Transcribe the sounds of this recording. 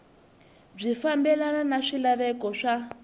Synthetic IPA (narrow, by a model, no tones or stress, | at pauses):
b͡ʐifambɛlananaʂilaβɛkɔʂa